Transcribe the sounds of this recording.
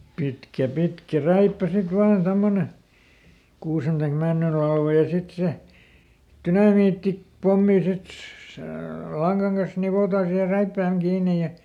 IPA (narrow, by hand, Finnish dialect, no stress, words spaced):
pitkæ pitkæ ræipːæ sit ʋɑːn tomːone kuːsen tɑik mænːyl lɑlʋɑ jɑ sit se tynɑmiːtːi pomːi sit seˑ lɑŋɡ̊ɑŋ kɑs niʋotɑː siːhe ræipːæːŋ kiːnej̆ jɑ